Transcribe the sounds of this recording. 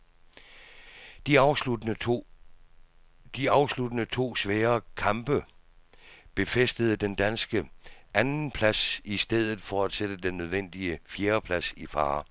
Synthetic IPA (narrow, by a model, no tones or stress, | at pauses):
d̥ | d̥iɑ̈ʊslud̥ənət͡sʰo̝̰ːsʋɛːɐkʰɑ̈mb̥ə | b̥e̝fesd̥əð̞̩ˠəd̥end̥ænsɡ̥əʔænn̩pʰlæsisd̥eð̞̰ˠð̩ˠfɒæd̥sed̥əd̥enːøð̞ˠʋen̰d̥iəfjeːɐpʰlæsifɑ̰̈ː